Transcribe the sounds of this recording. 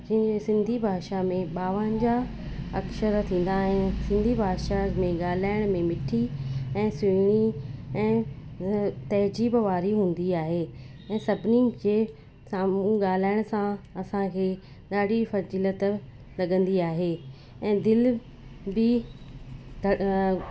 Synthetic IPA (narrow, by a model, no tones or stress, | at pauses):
d͡ʑɪ̃ɦɲd͡ʑesɪ̃nd̪ʱibʱaːʃamẽɓaːʋə̃d͡ʑa | ɐkʃəɾt̪ʰĩːn̆d̪aːɦɪnɪsɪ̃nd̪ʱibʱaːʃamẽɠaːl̤aːɪɽ̃mẽmɪʈʰiɛ̃ːsiɽ̃iɛ̃ː | t̪ɐɦd͡ʑiːbʋaːɾiɦũːn̆d̪iaːɦeː | ɛ̃ːsɐbʱɪnike | saːmũɠaːl̤aːɪɽ̃ʊsãɐsãkʰeː | ɗaːɖʱifɐziːlət̪ | lɐɠə̃nd̪iaːɦeː | ɛ̃ːd̪ɪl | bɪ | ɡʱɐ